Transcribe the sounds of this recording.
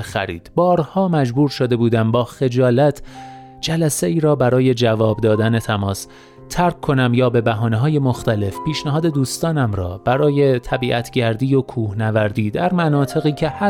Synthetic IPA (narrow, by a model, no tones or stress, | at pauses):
xæ̰ɾḭːd̪̥bɒːɾhɒːmæd͡ʒbuːɾʃod̪e̞buːd̪æmbɒːxe̞d͡ʒɒːlæt̪ʰ | d͡ʒælæse̞iːɾɒːbæɾɒːje̞d͡ʒævɒːbd̪ɒːd̪æne̞t̪ʰæmɒːs | t̪ʰæɾkʰːo̞næmjɒːbe̞bæɦɒːneɦɒːje̞moxt̪æle̞fpiːʃnæɦɒːd̪e̞d̪uːst̪ɒːnæmɾɒ̰ːb̥æɾɒːje̞t̪ʰæbiːʔæt̪ʰɟæɾd̪iːjokʰuːhnævæɾd̪iːd̪æɾmænɒːt̪ʰe̞ɣiːcʰe̞hæ